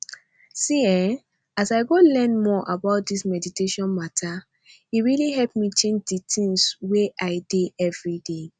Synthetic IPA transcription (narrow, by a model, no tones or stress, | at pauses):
siɛ̃ | asaɪɡolɛ̃nmɔʔabaʊt̚dismɛditeʃɔ̃nmatʰa | iɹiliɦɛlpmit͡ʃẽnd͡ʒditʰĩŋsweʔaɪdeɛvɹide